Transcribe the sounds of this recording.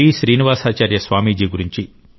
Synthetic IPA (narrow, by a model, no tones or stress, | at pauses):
iːʃɾiːniʋaːsaːt͡ʃaːɾjɐsʋaːmiːd͡ʒiːɡuɾiɲt͡ʃi